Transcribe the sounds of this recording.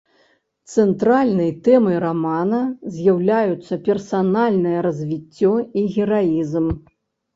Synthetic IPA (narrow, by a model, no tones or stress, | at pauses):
t̪sɛnt̪ɾalʲnɨjt̪ɛmɨɾamanɐzʲjawlʲajut̪sːɐpʲɛrsanalʲnɐjɐɾɐzʲvʲit͡sʲːɔiɣʲɛɾaizm